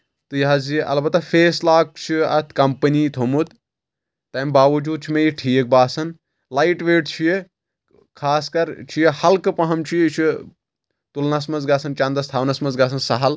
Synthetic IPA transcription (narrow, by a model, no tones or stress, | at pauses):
t̪ɨjaaziʔɐ̰lbɐt̪ːɐfʰeːslaːk̚t͡ʃʰiɐ̰t̪ʰkɐmpɐniːt̪ʰomut̪ | t̪ɐːmbaːʋɐd͡ʒuːd̪̚t͡ʃʰimejiʈʰiːk̚baːsɐn | lajʈʋeːʈt͡ʃʰije | kʰaːskɐɾt͡ʃʰijehɐlkɨpɐɦɐmt͡ʃʰijt͡ʃʰi | t̪ulnɐsmɐzɡaːsɐnt͡ʃɐnd̪ɐst̪ʰaːʋnɐsmɐnzɡaːs̬ɐnsɐɦɐl